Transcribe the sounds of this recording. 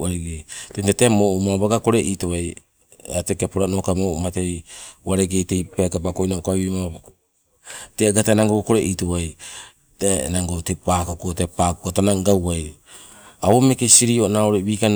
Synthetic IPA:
aɾeɡejtentatemoumabaɡako̞ɾe̞ʔitoβaj | atekepuɾanokamomatejwaɾeɡejtejpakapako̞jnaokaβima | teɡatanaŋɡoko̞ɾeʔitoβaj | tenaŋɡotepakokotepakokotanaɡawaj | aome̞kesiɾionaoɾeβiːkan

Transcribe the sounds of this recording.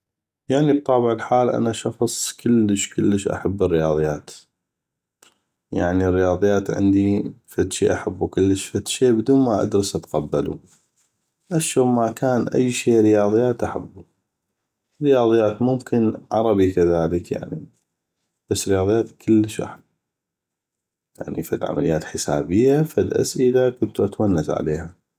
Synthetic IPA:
jaʕnib̚t̪ˤɑːbəʕəlħaːlʔa̰naʃɑxsˤkəlːəʃkəlːəʃʔa̰ħabːərːɪjɑːðˤɨjːaːt̪ | ja̰ʕnirːɪjɑːðˤɨjːaːt̪ʕɪ̰nd̪ifat̪ʃiːʔaħabːukɪlːəʃfat̪ʃeːbd̪uːnmaʔa̰d̪ɾɨsʔat̪qabːalṵ | ʔaʃːomakaːnʔa̰jːʃeːɾɪjɑːðˤɨjːaːt̪ʔaħabːu | ɾɪjɑːðˤɨjːaːt̪mʊmkʰɪnʕɑɾˤɑbikaðaːləkja̰ʕni | b̥asːɾɪjɑːðˤɨjːaːt̪kʰəlːəʃʔa̰ħab | ja̰ʕnḭfalʕa̰mʔalɪjːaːt̪ħəsa̰ːbəjːafalʔa̰sʔɪlakʊnt̪uʔat̪wanːazʕa̰leːha

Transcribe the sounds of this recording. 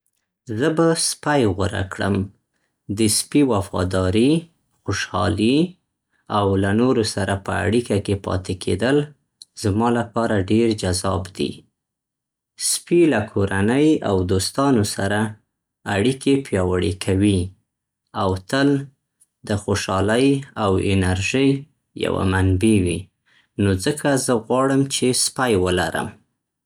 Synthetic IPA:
zəbaspajɣaɾa̰kɽə̰m | d̪əspiwafɑ̰d̪ɑɾi | xoʃɑ̰li | awlanoɾosaɾapə̰a̰ɽikakepɑ̰t̪ekʰḛd̪əl | z̥mɑlapɑɾaɖeɾd͡ʒazɑbd̪ḭ | spilakʰoɾanəja̰wd̪ost̪ɑnosaɾaː | ɽikʰepjɑwəɽekʰawi | awt̪əl | d̪əxoʃɑləjawɪ̰naɾʒij | ja̰wa̰manbiwi | nozəkʰazəɣwɑɽəmt͡ʃespajwəlaɾə̰m

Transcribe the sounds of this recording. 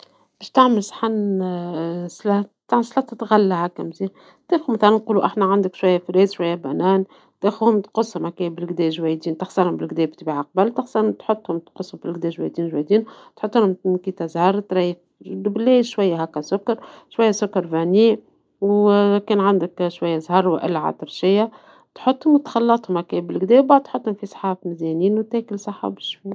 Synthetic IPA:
b̥ɛːʃt̪aʕmɪlsˤħan | slɑt̪aʕmslɑt̪ɑt̪ɣalːahækːæmziː | t̪eːxumæθælænquːluʔaħnæʕand̪ɪkʃwajːæfɾeːzʃwajːæbænæːn | t̪exuhʊmt̪qʊsˤːhʊmakebɪlɡd̪ɛːʒwæjd̪iːnt̪ɑxsɑɾhʊmbɪlɡd̪ɛːbt̪biːʕaq̚balt̪ɑxsˤɑt̪ħot̪ˤːhʊmt̪qʊsˤːhʊmbɪlɡd̪ɛːʒwæ̰jd̪iːnʒwæjd̪iːnt̪ħot̪ːˤʊhʊmkiːt̪æzhɑɾˤt̪ɾɑj | d̪bleːʃwajːaɦækːæsʊkːɑɾˤʃwajːasʊkːɑɾˤvæniː | wkɛːnʕand̪ɪkʃwajːazhɑɾˤwʔɪ̰lːʕa̰ːt̪əɾʃɪjːa | t̪ħot̪ˤːhʊmwt̪xɑlːɑt̪ˤhʊmhækebɪlɡd̪ɛːwbaʕd̪̚t̪ħot̪ˤːhʊmfisˤħɑːbmɪzɛniːnwt̪æːkɪlsˤɑħa̰bɪʃwi

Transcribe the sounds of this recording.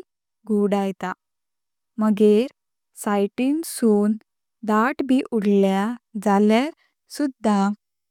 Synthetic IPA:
ɡʱuɽajt̪a | məɡeɾ | sajʈinsuːn | d̪aʈbʱiʔuɽljad͡zaljaɾ | sud̪ʱːa

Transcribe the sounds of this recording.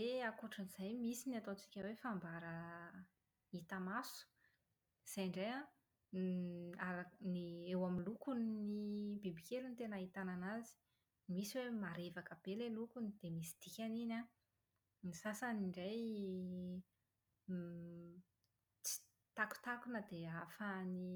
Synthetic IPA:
eakuʈ͡ʂəniz̥ajmisiniat̪ot͡si̥kʲəwefambaɾə | it̪amasu̥ | iz̥ajɳɖ͡ʐeja | aɾaniewaminlukunnibibikʲelunit̪enait̪ananazi̥ | misiwemaɾevakəb̥elelukunid̪̥emisi̥d̪̥ikʲanina | nisasaniɳɖ͡ʐaj | t͡si̥ | t̪aku̥t̪akunəd̪eafani

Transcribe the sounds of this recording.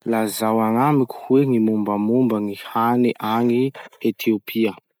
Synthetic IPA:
lazawaŋamikʲu̥hweŋimumbəmumbəŋihaniʔaŋiet̪ʰiopʰiə

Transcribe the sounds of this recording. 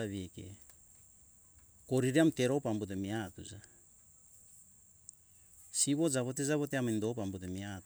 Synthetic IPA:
aβiekḛ | ko̞ɾiɾiamte̞ɾopambut̬emiatṵza | siβo̞d͡ʒaβo̞t̬ezaβo̞teamindo̞pambut̬emiat

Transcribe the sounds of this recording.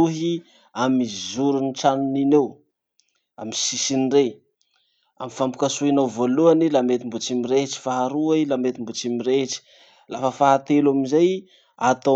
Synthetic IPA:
uɦi | amizuɾuniʈ͡ʂanuninew | amisisinre | a̰mifampu̥kasuinawvoluanilamet̪imbut͡simiɾeɦʈ͡ʂi̥faɦaɾuailamet̪imbut͡simiɾeʈ͡ʂi̥ | lafəfaɦat̪elamizaj | at̪o

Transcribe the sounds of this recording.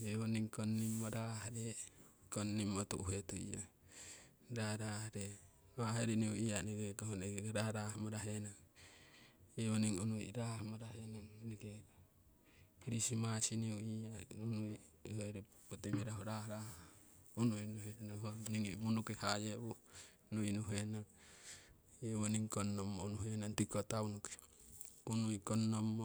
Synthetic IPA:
eoniŋkonːimːoɾaɦɾe | konːimot̪uuɦet̪uḭa̰ | ɾaɾahɾe | βaɦeɾiniuianiɡekahoneɡɾaɾahmoɾaɦenaŋ | eoniŋonuḭɾahmoɾahenaŋniɡe | iɾisimasiniuiaunui | hoiɾe | pot̪emiɾaɦoɾahɾah | unuinuɦenaɦoniŋmunukehajeu | nuinuɦenaŋ | iwoniŋkonːomːonuɦenant̪ikot̪aunuke̥ | unuikonːomːo

